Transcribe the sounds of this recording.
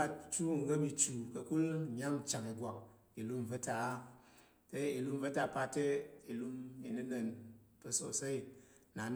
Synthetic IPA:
a˧t͡ʃu˦˨ŋ̩˨˦ɡə˦mi˧t͡ʃu˨kɐ˨ku˦lɲa˦ŋ˦t͡ʃa˨ŋi˨ɡʷa˨k̚ | i˨lu˦m˨və˦ta˨˦ | te˦i˨lu˦m˦və˦ta˧˨pa˧te˦i˨lu˧mi˨nɨ˦lə˨npə˨˧so˨sa˦i˦˨ | na˨n

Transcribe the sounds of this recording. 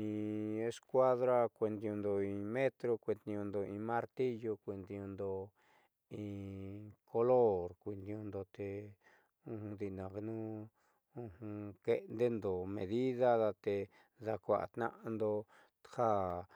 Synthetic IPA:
ĩ˧e˧skʷa˦ðɾa˦kʷe˧nd̪ĩ˧õ˧nd̪o˧ĩ˧mẽ˦t̪ɾo˧kʷe˧d̪ĩ˧õ˧nd̪o˧ĩ˧mã˦ɾt̪i˦jo˧kʷi˧nd̪i˧õ˧nd̪o˧ | ĩ˧ | kʰo˧lo˦ɾkʷi˧nd̪ĩ˧õ˧nd̪o˧t̪e˧ | ũ˧hũ˧d̪i˧˨nã˧nũ˦ | ũ˧hũ˧ke˧nd̪e˦nd̪o˨mḛ̃˧ði˦ða˦ða˧t̪e˧ | ða˧kʷa̰˧ʔa̰˨t̪nã̰˦ʔa˧nd̪o˧ | ha˦

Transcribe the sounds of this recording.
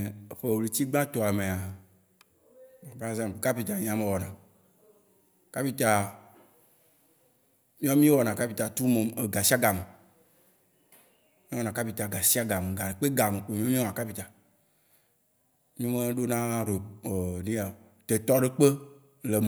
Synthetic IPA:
e˨ɸe˦˨li˨t͡ɕi˦ɡ͡bã˦t̪ɔ˨a˨mẽ˨a˨ | a˨pa˨˦zã˦mpka˦pi˨t̪a˨ɲ̃˨ã˨mẽ˨wɔ˨nã˨ | ka˦pi˦t̪a˨ | mĩ˦ɔ˦mĩ˦wɔ˨nã˨ka˦pi˨˦t̪a˨t̪u˦me˨e˨ɡa˨si˦a˦ɡa˨me˨ | mĩ˦wɔ˨nã˨ka˦pi˨t̪a˨ɡa˨si˦a˦ɡa˨me˨ɡa˨ɖe˨k͡pe˦ɡa˨me˨k͡pe˨mĩ˦mĩ˦wɔ˨ã˨ka˦pi˨t̪a˨ | ɲ˦ũ˦mẽ˦ɖo˦nã˦ɖe˨e˨nĩ˦a˨ | t̪e˨t̪ɔ˦ɖe˦k͡pe˦ | le˨m˨

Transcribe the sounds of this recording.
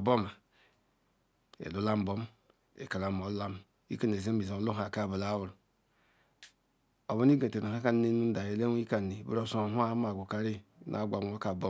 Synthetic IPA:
bo˦ma˨ | ḛ˨lu˦la˦m˦bo˦m | ḛ˨ka˨la˨m˨o˨˦la˦m | ḭ˦ka˦ne˨ze˦mbi˨a˨˦lu˦ɦa˨ka˦˨ba˨la˦wu˨ɾ | o˨bo˦n˦i˦ɡe˨te˨na˨ha˦ka˦n˨˦ne˦nu˦da˨je˨le˦i˦ka˨i˨bṵ˦ɾo˦˨so˨ɦu˦a˦ma˨ɡʷu˨ka˨ɾi˦nʔa̰˨˦ɡʷa˨˦o˦ka˨bo˦

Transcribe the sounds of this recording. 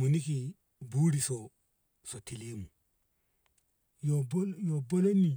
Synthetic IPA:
mu˨ni˦ki˨ | buː˦ɾi˨sɔ | so˨ti˨li˦mu˨ | jobjobo˦lo˦nːi˨

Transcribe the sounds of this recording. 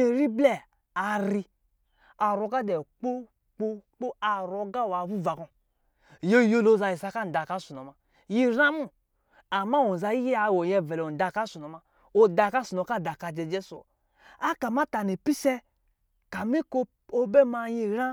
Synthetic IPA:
i˦ɾi˦blɛ˦ | a˨ɾi˧ | a˨ɾo˧ɡa˦dɛ˨k͡po˦ | k͡po˦k͡po˦a˨ɾo˨ɡa˦wa˨bu˦va˨kɔ̃˨ | jo˦jo˦lo˦˨za˧ji˨sa˧ka˦n˨da˨ka˦su˨no˨ma˨ | ji˦ɾã˦mu˦ | a˨ma˦˨wo˨n˨za˧ji˦ji˦a˨wo˨jɛ˧˨vɛ˨lo˨da˨ka˦su˨no˨ma˧ | o˨da˧˨ka˦su˨o˨˦ka˦˨da˨ka˧d͡ʒɛ˨˧d͡ʒɛ˦su˨o̰˨ | a˦ka˨ma˦ta˨ni˨pi˦sɛ˦ | ka˨mi˦ko˦ | o˦be˦ma˧ji˧ɾa˦

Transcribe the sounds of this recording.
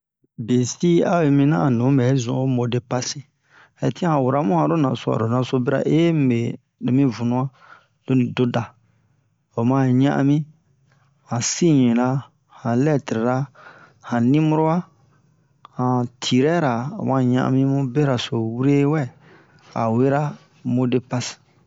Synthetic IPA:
be˨si˦a˦we˨mĩ˦nã̰˦˨nũ˨˦mɛ˨˦zṵ̃˨o˦mo˨de˨pa˦si˦ | hɛ˨tĩ˦ã˦ã˨wu˨ɾa˦mũ˦hã˨ɾo˦nã˨so˦a̰˨ɾo˨nã˨so˦be˦ɾa̰˨ʔe˦m˦˨be˨ | de˨mĩ˦vũ˨nũ˦a˦ | d̥o˦nĩ˨do˦da˨ | o˨mã˦˨ɲã̰˦ʔa̰˦mĩ˦ | hã˨sĩ˦ɲĩ˨la˦ | hã˨lɛ˦˨ti˨ɾe˨ɾa˦ | hã˨nĩ˦mu˦ɾo˦wa˦ | hã˨tʰi˨ɾɛ˦ɾa˨o̰˨mã˦˨ɲã̰˦ʔã̰˦mĩ˦mũ˦be˦ɾa˨so˨wu˦ɾe˦wɛ˦˨ | a̰˨we˦ɾa˦ | mo˦de˦pa˦si̥˨

